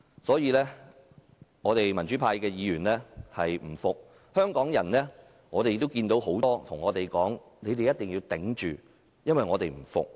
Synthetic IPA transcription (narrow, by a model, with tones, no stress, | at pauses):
sɔː˨˥jiː˨˧lɛː˥ | ŋɔː˨˧t̪e˨jmɐ˨˩nt͡ʃyː˨˥pʰaː˧jkɛː˧jiː˨˧ɥyː˨˩nlɛː˥hɐ˨jm̩˨˩fʊ˨k̚ | hœː˥ŋkɔː˨˥ŋjɐ˨˩nlɛː˥ | ŋɔː˨˧t̪e˨jkt̪ːo˥wkiː˧nt̪o˨˥wɦo˨˥wt̪ɔː˥t̪ʰʊ˨˩ŋɔː˨˧t̪e˨jkɔː˨˥ŋ | ne˨˧jt̪e˨jɐ˥t̪̚ːɪ˨ŋjiː˧wt̪ɪ˨˥ŋt͡ʃyː˨ | jɐ˥nwɐ˨jŋɔː˨˧t̪e˨jm̩˨˩fʊ̰˨k̚